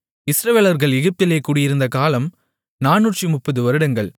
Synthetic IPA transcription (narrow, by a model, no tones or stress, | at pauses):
ɪsɾɐʋeːlɐɾɣɐɭɛɣɪp̚t̪ɪleːkːuːɽɪjɪɾɯnd̪ɐkaːlɐm | naːnːuːʈrimʊpːɐðɯʋɐɾɯɽɐŋɡɐɭ